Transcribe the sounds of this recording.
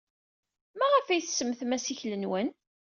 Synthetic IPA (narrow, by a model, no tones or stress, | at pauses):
mæʁəfæjθsəməθmæsiçlənwən